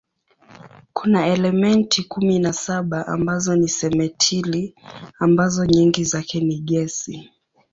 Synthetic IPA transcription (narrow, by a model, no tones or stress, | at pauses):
kunaɛlɛmɛntʰikuminasaɓaʔa̰mbazɔnisɛmɛtʰiliambazɔɲiŋɡizakɛniɠɛsi